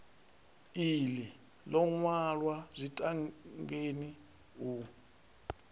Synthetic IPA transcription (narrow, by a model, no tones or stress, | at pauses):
ili | lɔŋwalwazʷitʼaŋŋɡeni | u